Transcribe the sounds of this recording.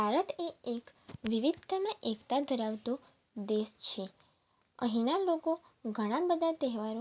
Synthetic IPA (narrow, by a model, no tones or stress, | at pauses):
bʱaɾət̪eekʋiʋid̪̚ʱəmãʔekt̪ad̪ʱəɾaʋt̪o | d̪est͡ʃʰe | əɦĩnaloko | ɡʱəɽ̃ãbəd̪ʱat̪ɛɦʋaɾõ